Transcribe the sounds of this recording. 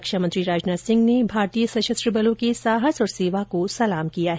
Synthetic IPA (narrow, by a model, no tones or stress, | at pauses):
ɐkʃəmɐ̃nt̪ɾiɾaːd͡ʒnaːsɪ̃ŋɡnebʱaːɾt̪ijəsɐʃəst̪ɾəbɐlõkesaːɦəsɔːɾseːʋakosɐlaːmkijaɦɛ